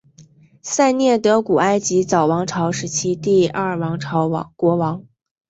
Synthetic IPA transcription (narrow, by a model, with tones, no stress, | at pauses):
sa˥˧ɪnjɛ˥˩t̪ɤ˧˥ku˨˩a˥ɪt͡ɕi˧˥t͡sɑ˨˩ʊwɑ˧˥ŋʈ͡ʂʰɑ˧˥ʊʂɻ̩˧˥t͡ɕʰi˥t̪i˥˧ɐ˥˩wɑ˧˥ŋʈ͡ʂʰɑ˧˥ʊwɑ̰˧˥ŋkwɔ˧˥wɑ˧˥ŋ